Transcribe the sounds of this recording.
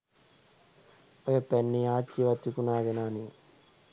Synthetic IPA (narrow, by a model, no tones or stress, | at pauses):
ojɐpenːiaːt͡ʃːiʋɐt̪ːukunaːd̪enaːni